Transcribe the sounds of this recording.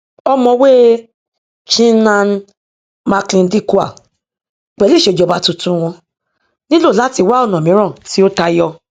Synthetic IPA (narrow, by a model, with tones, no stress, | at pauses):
ɔ˧mɔ̃˧we˦ | t͡ʃĩ˦nã˧n˦ | ma˧klĩ˧n̩˦di˦˨ku˦a̰˨ | k͡pɛ˨li˦˨ʃe˨d͡ʒɔ˨˧˨ba˧˦tũ˧tũ˦˧w̃ɔ̃˧ | nĩ˦lo˦˨la˦ti˧˦wa˦ɔ˦˨nɔ̃˨mĩ˨˦ɾ̃ɔ̃˦˨ti˦o˦ta˧jɔ˧